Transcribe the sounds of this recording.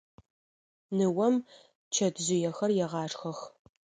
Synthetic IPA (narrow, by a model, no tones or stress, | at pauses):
nɨwɐm | t͡ʃʰɐdzɪjɛxɐrjɛʁɑːʂxɐx